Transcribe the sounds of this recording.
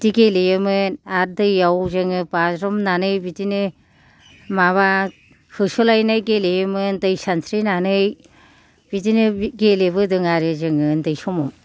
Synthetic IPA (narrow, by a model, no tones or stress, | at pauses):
diɡelejɯmɯnaɾ̚dɯjːawzɯŋɯpazɾɔmnanɯjbitinɯ | maβa | hʰɯsulajnajɡelejɯmɯndɯjsansʰɾinanɯj | bit̬inɯɡeleβɯdɯŋaɾɯzɯŋɯndɯjsɔmɔm